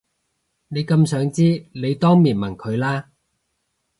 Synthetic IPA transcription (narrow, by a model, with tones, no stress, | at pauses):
ne˨˧jkɐ˧msœː˨˥ŋt͡siː˥le˨˧jt̪ɔː˥ŋmiː˨˩nmɐ˨˩nkʰɵ˨˧ɥlaː˥